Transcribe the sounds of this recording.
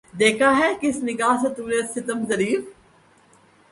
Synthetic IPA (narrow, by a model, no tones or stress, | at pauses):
d̪eːkʰaːɦɛːkɪsnɪɡaːset̪uːɾeːsʰɪt̪əmzəɾiːf